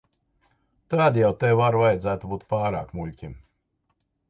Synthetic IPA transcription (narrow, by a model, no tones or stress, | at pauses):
t̪aːd̪ijawt̪eːaɾvajd̪zæːt̪ubuːt̪paːɾa̰ːkmulʲcʲim